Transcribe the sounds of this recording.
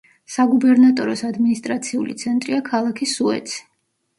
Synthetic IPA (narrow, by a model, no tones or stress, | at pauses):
saɡubɛɾnat̪ʼɔɾɔsad̪minist̪ʼɾat̪sʰiṵlit̪sʰɛnt̪ʼɾiakʰalˠakʰisuɛ̰t̪sʰi̥